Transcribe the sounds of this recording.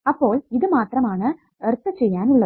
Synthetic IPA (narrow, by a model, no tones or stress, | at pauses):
ɐpːoːlɪðɯmaːt̪ɾɐmaːnɐ | ɐɾt̪ːɐt͡ʃːɛjːaːnʊɭːɐ